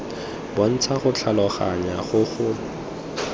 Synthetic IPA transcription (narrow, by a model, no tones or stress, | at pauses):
bɔn̩t͡sʰaχʊt͡ɬʰalɔχaɲaχʊχʊ